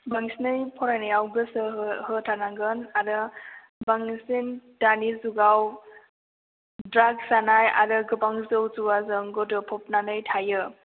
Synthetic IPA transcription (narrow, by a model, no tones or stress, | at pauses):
baŋisnɯjpʰɔɾajnajawɡɯsɯɦhɯtʰanaɡɯnaɾɯ | baŋnisindanizuɡaw | dɾaɡsanaja̰ɾɯɡɯbaŋzɯwzuwazɯŋɡɔdɯpʰɔp̚nanɯjtʰajɯ